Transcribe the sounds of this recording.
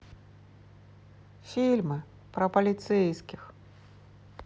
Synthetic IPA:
fʲilʲmɨ | pɾɐpɐlʲit̪sɛjskʲix

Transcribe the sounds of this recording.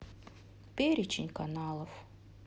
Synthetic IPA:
pʲeɾʲɪt͡ɕɪ̰nʲkanalˠəf

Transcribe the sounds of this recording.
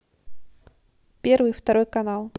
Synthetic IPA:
pʲɛrvɨjft̪aɾɔjkanalˠ

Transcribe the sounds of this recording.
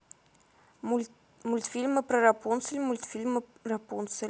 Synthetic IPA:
mulʲt̪fʲilʲmɨpɾɐɾapunsɨlʲmulʲt̪fʲilʲmɨrapunsəlʲ

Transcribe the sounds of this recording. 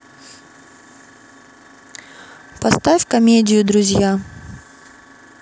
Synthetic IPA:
pɐst̪afʲkɐmʲedʲɪjʊd̪ɾʊzʲja

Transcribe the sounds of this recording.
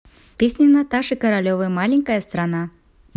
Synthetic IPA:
pʲesʲnʲinat̪aʂɨkɐɾalʲɔvɨmalʲenʲkɐjɐst̪ɾana

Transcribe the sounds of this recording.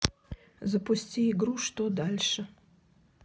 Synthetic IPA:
zɐpʊsʲtʲiɪɡɾuʂt̪od̪alʲʂɨ

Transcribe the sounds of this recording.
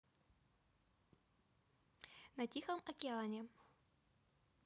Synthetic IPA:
nɐtʲixɐmɐkʲɪalˠɐnʲe

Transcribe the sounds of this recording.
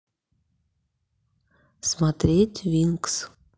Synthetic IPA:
smɑt̪ɾʲetʲvʲiŋks

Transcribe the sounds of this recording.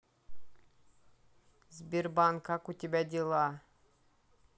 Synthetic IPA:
zbʲiɾbaŋkakut̪ʲibæd̪ʲilˠɑ

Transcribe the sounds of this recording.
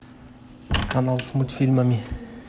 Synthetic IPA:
kʰanalsmut̪filmamʲi

